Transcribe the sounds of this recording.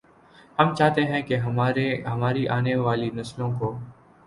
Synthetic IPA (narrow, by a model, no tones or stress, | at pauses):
hɐmt͡ʃaːɦt̪eɦɛ̃keɦɐɾeɦɐmaːɾiʔaːneʋaːlinɐslõkoː